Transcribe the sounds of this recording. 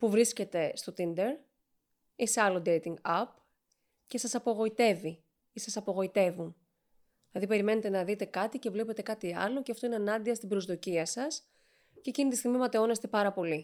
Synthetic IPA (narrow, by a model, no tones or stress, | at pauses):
puvɾisce̞t̪e̞st̪o̞t̪ind̪e̞ɾ | iseɐlo̞d̪ejt̪iŋɡɐp | ce̞sɐsɐpoɣo̞it̪e̞vi | isɐsɐpo̞ɣo̞it̪e̞vun | ilɐðipe̞ɾime̞ne̞t̪e̞nɐðit̪e̞kɐt̪ice̞vle̞pe̞t̪e̞kɐt̪iɐ̰lo̞ceɐft̪o̞ineɐnɐnd̪iɐst̪ibɾo̞zðo̞ciɐsɐs | ce̞ːcinit̪ist̪iɣmimɐt̪e̞o̞nest̪e̞pɐɾɐpo̞li